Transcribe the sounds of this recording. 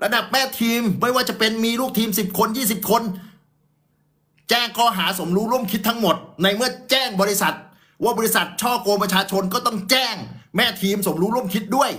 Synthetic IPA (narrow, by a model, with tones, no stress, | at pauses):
ɾa˧da˨˩p̚mɛː˥˩t̪ʰiː˧mːa˥˩jwaː˥˩t͡ɕa˨˩pe˧nmiː˧luː˥˩k̚t̪ʰiː˧msi˨˩p̚kʰo˧njiː˥˩s̬i˨˩p̚kʰo˧n | t͡ɕɛː˥˩ŋkʰɔː˥˩ɦaː˩˦so˩˦mɾuː˦˥ɾu˥˩əmkʰi˦˥t̪ʰːa˦˥ŋmo˨˩t̪̚na˧jmɯ˥˩ɐt͡ɕɛː˥˩ŋbɔː˧ɾi˦˥sa˨˩t̪̚ | waː˥˩bɔː˧i˦˥sa˨˩t̪̚t͡ɕʰɔː˥˩koː˧pɾa˧t͡ɕʰaː˧t͡ɕʰo˧nkɔː˥˩t̪ɔ˥˩ŋt͡ɕɛː˥˩ŋmɛː˥˩t̪ʰiː˧mso˩˦mɾuː˦˥ɾu˥˩əmkʰi˦˥t̪̚du˥˩əj